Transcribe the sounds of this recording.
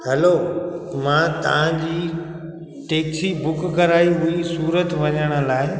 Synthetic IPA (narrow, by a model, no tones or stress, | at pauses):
hɛloːmãːt̪ɐ̰ʋ̤ãd͡ʑiː | ʈeːksibʊkɡʱɐɾaːiɦuisuːɾət̪ʋɐɲəɽ̃ə̆laːɪ